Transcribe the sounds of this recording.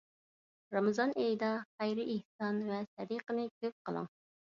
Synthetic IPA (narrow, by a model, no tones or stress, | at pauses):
ɾɑmɨzɑnejd̪ɑχɛjɾɨʔːhsɑnvɛsɛd̪iqənɨkʲʰøp̚qʰəlˠə̰ŋ